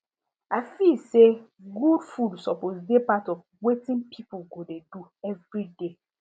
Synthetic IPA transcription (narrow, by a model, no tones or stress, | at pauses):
afilseɡudfudsɔposdepatɔf | wetĩnpʰipuɡodeduɛvɹide